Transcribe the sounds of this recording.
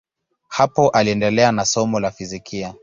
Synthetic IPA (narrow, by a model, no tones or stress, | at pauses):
hapɔʔaliɛndɛlɛanasɔmɔlafizikʰia